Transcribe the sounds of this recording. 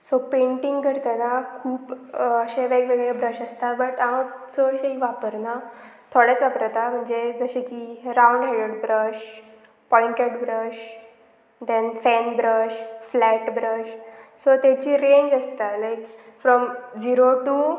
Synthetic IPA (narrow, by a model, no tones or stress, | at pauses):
sopeɳʈiŋɡɡəɽk̪anakʰuːpəɕeʋeɡʋeɡɭebɾəɕəst̪abəʈat͡səɕeɦiʋapəɾna | t̪ʰoɽat͡sʋapəɾat̪am̤əɳd͡zed͡zəɕekiɾawɳɖɦaɽəɽbɾəɕ | pɔliɳʈeɖbɾəɕ | d̪ɛ̃nfænbɾəɕflæʈbɾəɕsot̪at͡ɕiːɾeɲd͡ʑəst̪alajkfɾɔmd͡ʑiɾoʈuː